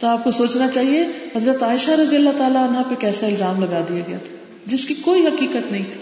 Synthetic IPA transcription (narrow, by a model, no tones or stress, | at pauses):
t̪oaːp̚kosoːt͡ʃnat͡ʃaːɦieɦɐzɾət̪aːɪʃaɾɐd̪ijəlːat̪aːlaɪnɦãpekɛːsaɪlzaːmlɐɡaːd̪ijaɡɐja̰t̪ʰḁ | d͡ʒɪskikoːiɦɐkiːkət̪nɐɦĩt̪ʰi̥ː